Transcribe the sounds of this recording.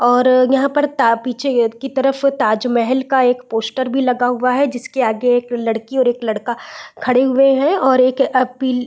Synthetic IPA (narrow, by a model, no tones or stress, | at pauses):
ɔːɾjɐɦãpɐɾt̪apiːt͡ʃʰekit̪ɐɾəft̪aːd͡ʒmɛɦɛlkaeːkpoːsʈəɾbʱilɐɡaɦʊaɦɛd͡ʒɪskeaːɡeeːklɐɽkiɔːɾeːklɐɽkakʰɐɽeɦʊeɦɛ̃ɔːɾeːkɐpiːl